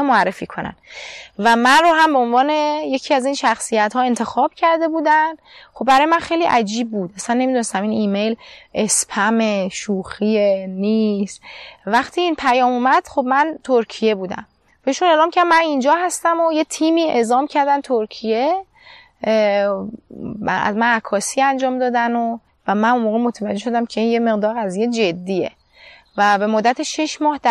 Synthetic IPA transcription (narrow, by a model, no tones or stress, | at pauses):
moærːe̞fiːkʰo̞næ̰nvæmænroɦæmbeonvɒːne̞je̞cʰiːæziːnʃæxsijæt̪hɒːe̞nt̪ʰe̞xɒːb̥̚cʰæɾd̪e̞buːd̪æn | χobbæɾɒːjmænxe̞jliːʔæd͡ʒiːb̚ːuːd̪æsænːemid̪une̞st̪æminiːmejlʔespʰæmeʃuːxieniːst̪væxt̪ʰiːiːnpʰæjɒːmumæd̪̥χo̞bmænt̪ʰoɾcʰije̞buːd̪æ̰m | b̥eʃune̞ːlɒːmcʰʲæɾd̪mænind͡ʒɒːɦæst̪æmojet̪ʰiːmiːe̞zɒːmcʰæɾd̪ænt̪ʰoɾcʰije̞ | æ̰zmænækʰːɒːsiːænd͡ʒɒːmd̪ɒːd̪æno | væmænummoːɣemo̞t̪ʰævæd͡ʒːe̞ʃo̞d̪æmcʰe̞iːnjeme̞ɣd̪ɒːɾɣæzijed͡ʒe̞d̪ːiːe̞̰ | væbe̞mod̪ːæt̪ʰeʃeʃmɒːhd̪